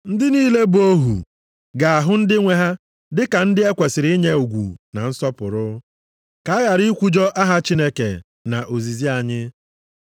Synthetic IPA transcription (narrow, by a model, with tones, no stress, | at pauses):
n̩˦dɪ˦niː˦le˦bo˦ɦṵ˨ | ɡa˨a˨ɦʊ˦n̩˦dɪ˦ŋʷe˦ɦa˦ | dɪ˦ka˨n̩˦dɪ˦e˦kʷe˨sɪ˨ɾi˦ɲe˦u˨ɡʷṵ˨na̰˨n̩˦sɔ˦pʊ̰˨ɾʊ˦ | ka˨a˦ja˨ɾi˦kʷu˦d͡ʒɔ˦ʔa˦ɦa˦t͡ʃi˦ne˦kḛ˨ | na̰˨ʔo˨zi˨zi˦a˨ɲɪ˦